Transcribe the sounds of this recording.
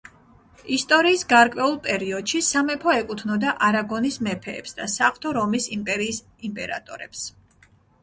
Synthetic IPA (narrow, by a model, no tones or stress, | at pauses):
ist̪ʼɔɾiːsɡaɾkʼwɛulˠpʼɛɾiɔd̪̥ʃisamɛpʰɔɛkʼut̪ʰnɔd̪aʔaɾaɡɔnismɛpʰɛ̰ːpsd̪asaχt̪ʰɔɾɔmisimpʼɛɾiːs | impʼɛ̰ɾa̰t̪ʼɔɾɛps